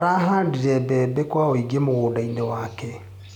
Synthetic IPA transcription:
ɾaːɦaːndiɾɛbɛːbɛkwaoiɡemoɣoːdainewaːkɛ

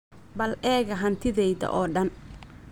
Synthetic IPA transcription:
bɐlʔɛːɣɐɦɐnt̪ʰɪðɛjðɐ̰ʔɔːɖɐn

